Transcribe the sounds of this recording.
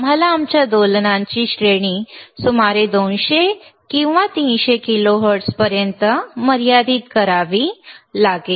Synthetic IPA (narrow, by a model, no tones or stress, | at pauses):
m̤alaːmt͡ɕjad̪olnãɲt͡ɕiːɕɾeɽ̃iːsumaɾed̪onɕekĩw̃ʋat̪ĩːnɕekiloɦəɾʈspəɾjənt̪əməɾijad̪iːt̪kəɾaʋiːlaɡe